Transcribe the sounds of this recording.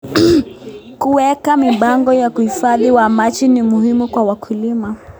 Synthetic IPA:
kuwɛkamiɓaŋɡɔjakuhifaðiwamat͡ʃinimuhimukwawakʰulima

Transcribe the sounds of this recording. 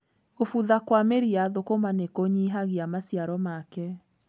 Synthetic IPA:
ofuðakwameɾiaðokomanekoɲiɦaɣiamasjaɾɔmakɛ

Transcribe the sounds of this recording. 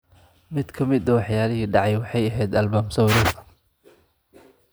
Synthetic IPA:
mɪd̪kʰɐmɪd̪ɐwɑħjaːlɪɦiːɖɑʕɑjwɑħɑjɐɦɛjd̪ɐlbaːmsɐwɾɔɐ

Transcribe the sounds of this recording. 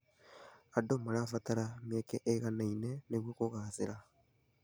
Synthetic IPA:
adomaɾafataɾamjekeʔeɣanaineneɣwikoɣazeɾa

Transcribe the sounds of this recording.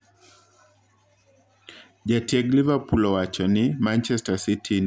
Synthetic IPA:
ʄatiaɡlivapulɔwat͡ʃɔnimant͡ʃɛstasitʰin

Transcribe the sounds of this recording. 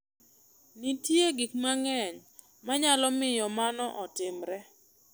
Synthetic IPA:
nitjeɡikmaŋɛɲ | maɲalɔmɪjɔmanɔʔɔtɪmɾɛ

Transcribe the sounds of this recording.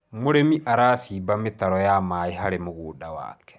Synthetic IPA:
mʊɾemiʔaɾaːsiːbamɪt̪aɾɔjaːmaːiɦaɾemʊɡuːɗawa̰ːkɛ̥

